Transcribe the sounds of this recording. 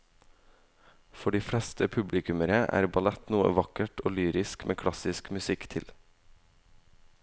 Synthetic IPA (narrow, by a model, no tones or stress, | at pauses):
fɔɖiːfɽɛst̪ʰəpʰʉblɪkʉməɾəʔæ̰ːɾbɑlɛt̪nuːə̰ʋɑkəʈʰoːlyːɾɪskmʔḛːkʰɽɑsɪskmʉsɪkt̪ʰɪl